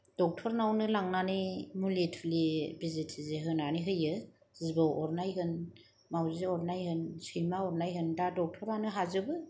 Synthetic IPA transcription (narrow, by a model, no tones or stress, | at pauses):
d̥ɔk̚tʰɔɾnawnɯlaŋnanɯjmuletʰlibizitʰizeɦɯnaniɦɯjɯ | zibɯwʔɔɾnajɦɯn | mawziɔɾnajɦɯnsɯjmaɔɾnajɦɯndadɔk̚tʰɔɾanɯɦazɯbɯ